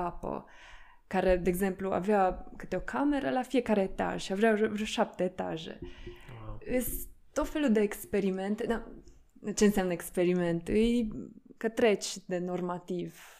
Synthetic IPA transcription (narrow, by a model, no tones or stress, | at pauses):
apo̰ | kaɾɛd̪ɛɡzɛmplua̰vɛakət̪ɔkʰamɛɾalafʲijɛkaɾɛɛt̪a̰ʒavʒaʐɛʃap̚t̪ɛːt̪a̰ʒɛ̰ | ɛst̪ːɔfɛlud̪ɛɛkspɛɾimɛnt̪ɨna | t͡ʃɛnsɛmnɛkspɛɾimɛ̃nt̪uikət̪ɾɛt͡ɕd̪ɛnɔɾmat̪iv